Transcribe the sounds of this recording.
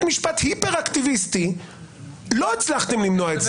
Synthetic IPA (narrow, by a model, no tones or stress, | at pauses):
miʃpat̪hipeʁakt̪ivist̪i | lo̞at͡slaχt̪emlimnoaet͡s